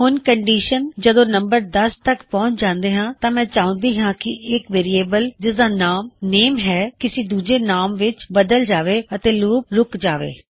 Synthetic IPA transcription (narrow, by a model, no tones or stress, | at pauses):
hʊnkəɳɖiːʃənd͡ʒəd̪õːnəmbəɾd̪əst̪əkpɔ̃ːɲt͡ʃd͡ʒãːnd̪eːɦãːt̪ãːmɛ̃ːt͡ʃãːʊ̃nd̪iːɦãːkɪɪkʋeːɾiːeːbəld͡ʒɪsd̪aːnaːmneːmɦɛːkɪsiːd̪uːd͡ʒeːnaːmʋɪt͡ʃbəd̪əld͡ʒaːʋeːət̪eːluːpɾʊkd͡ʒaːʋḛː